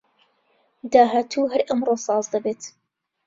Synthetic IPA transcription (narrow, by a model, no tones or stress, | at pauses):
d̪aːɦaːt̪ʰuɦɐɾʔɐmroːsˤɑːzd̪ɐbeːt̪